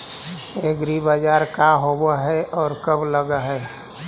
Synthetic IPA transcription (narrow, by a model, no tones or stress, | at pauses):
eɡɾibəd͡ʒaːɾkaɦobaɦɛʔɔːɾkəbləɡaɦɛ